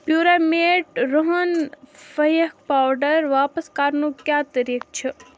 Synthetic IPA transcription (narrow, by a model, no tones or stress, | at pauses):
pjuːɾameːʈɾoɦənfɐjək̚paːwɖəɾʋaːpəskaːɾnũːkjaːt̪əɾiːk̚t͡ʃʰe